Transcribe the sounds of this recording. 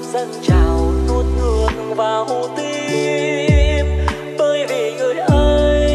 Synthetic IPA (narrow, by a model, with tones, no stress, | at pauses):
z̥ə˧ŋt͡ɕa˧˩wnu˧t̚ŋɨ˨˧˩əŋvaː˨˩who˧˩t̪i˧ | m | t̪əː˧jvi˨˩ŋɨ˨˩əjʔəː˧j